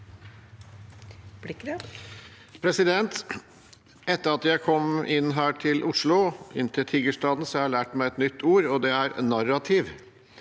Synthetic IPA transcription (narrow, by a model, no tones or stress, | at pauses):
pʰɾɛsɪd̪ɛnt̪ | ɛt̪ːəɾɑt̪jæɪkʰɔmʔɪnːɦæːʈʰɪlʔʊʂɭʊɪnːt̪ʰɪlt̪ʰiːɡəʂʈɑːd̪n̩sɔhɑɑɭæːʈmæɪɛt̪nʏt̪ʰːuːɾɔd̪ɛæɾnɑɾːɑt̪ʰɪʋ